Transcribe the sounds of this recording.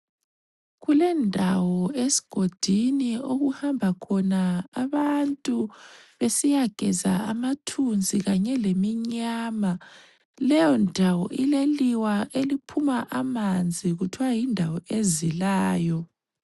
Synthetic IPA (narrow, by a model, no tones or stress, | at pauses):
ɣulɛndʱawɔesi̥ɡ̥ʱod̥ʱinioɣuhambʱakʰɔnaːβantʼuβesijaɡ̥ʱɛ̰za̰amatʰund͡zʱiɣaɲɛlemiɲaːma | lɛjɔndʱawɔ̰ʔileliwaʔelipʰumaʔamand͡zʱiɣutʰwajindʱawɔezilaːjɔ